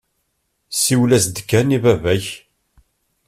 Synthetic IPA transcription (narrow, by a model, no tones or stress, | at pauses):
siwlæzd̪kːænibævæç